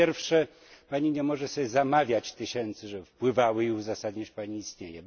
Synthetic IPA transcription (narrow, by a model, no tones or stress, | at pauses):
ɛɾfʂɛ | paɲiɲɛmɔʐɛɕɛzamavʲjat͡ɕt̪ɘɕɛnt̪sɘʐɛfpwɘvawɘiuzasad̪ɲaɕpaɲiːst̪ɲejɛ